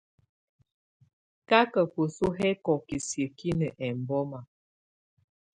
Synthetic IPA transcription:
ka˦kə˨ko˨su˦ɦɛ˦kɔ˨ki˨sjə˨ki˦nə˨ʔɛ˨m˨bɔ˦ma˨

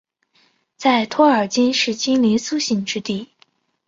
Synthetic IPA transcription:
t͡sa˥˩ɪt̪ʰwɔ˥ə˞˨˩t͡ɕi˥nʂɻ̩˥˩t͡ɕi˥nli˧˥nsu˥ɕi˥˩ŋʈ͡ʂɻ̩˥t̪i˥˩

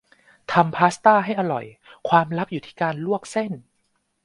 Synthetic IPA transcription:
t̪ʰa˧mpʰaː˦˥st̪aː˥˩ɦa˥˩jʔa˧ɾɔ̰˨˩j | kʰwaː˧mɾa˦˥p̚juː˨˩t̪ʰiː˥˩kaː˧nlu˥˩ək̚se˥˩n

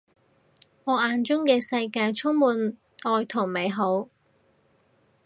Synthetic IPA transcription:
ŋɔː˨˧ʔaː˨˧nt͡ʃʊ˥ŋkɛː˧sɐ˧jkaː˧jt͡ʃʰʊ˥ŋmuː˨˧n | ʔɔː˨˧jt̪ʰʊ˨˩ŋme˨˧jɦo˨˥w

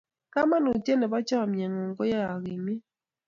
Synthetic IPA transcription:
ka˦ma˦no˨tjɛ˦nɛ˨ba˦t͡ʃɔ˦a˨mjɛ˨ŋɔ˨ŋ˨ɡɔ˦ja˦a˨ɣi˨mi˦

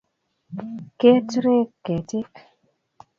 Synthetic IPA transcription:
ke˦tɾe˦kːe˨tɪ˦k

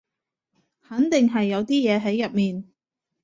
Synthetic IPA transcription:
hɐ˨˥nt̪ɪ˨ŋɦɐ˨jːɐ˨˧wt̪iː˥jɛː˨˧ɦɐ˨˥jːɐ˨p̚miː˨n

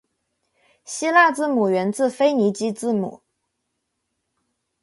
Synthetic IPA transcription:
ɕi˥la˥˧t͡sɹ̩˥˩mu˨˩ɥɛ˧˥nt͡sɹ̩˥˩fe˥ɪni˧˥t͡ɕi˥t͡sɹ̩˥˩mṵ˨˩˦

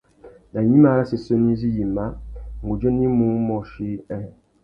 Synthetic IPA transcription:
na˨ɲi˦ma˦˨˦ɾa˦si˨so˦ni˦zi˦ji˨ma˦ŋ̩˨ɡu˨d͡ʒo˦ni˦mũ˦mɔ˦ʃi˦ɛ˦˨

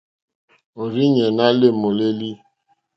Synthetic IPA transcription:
o˨ɾi˦ɲe˨na˦le˦mo˨le˦li˦

